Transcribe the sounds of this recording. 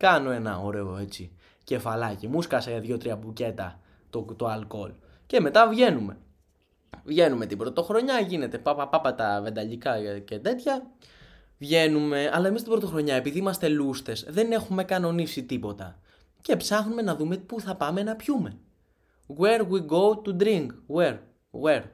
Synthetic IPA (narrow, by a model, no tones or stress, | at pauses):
kɐno̞e̞nɐ̰o̞ɾe̞oe̞t͡si | ce̞fɐlɐcimuskɐsɐʝɐðʝot̪ɾiɐbuce̞t̪ɐ̰ | t̪ot̪oɐlko̞̰l | ce̞me̞t̪ɐvʝe̞nume̞̰ | vʝe̞nume̞t̪ibɾo̞t̪o̞xɾo̞ɲɐʝine̞t̪e̞pɐpɐpɐpɐt̪ɐve̞nd̪ɐʎikɐcet̪e̞t̪çɐ | vʝe̞nume̞ɐlɐe̞mist̪ibɾo̞t̪o̞xɾo̞ɲɐe̞piðiimɐst̪e̞lust̪e̞zðe̞ne̞xume̞kɐno̞nisit̪ipo̞t̪ɐ | ce̞psɐxnume̞nɐðume̞puθɐpɐme̞nɐpçume̞ | ɣeɾwiɡo̞wt̪ud̪ɾiŋkɣweɾ | ɣweɾ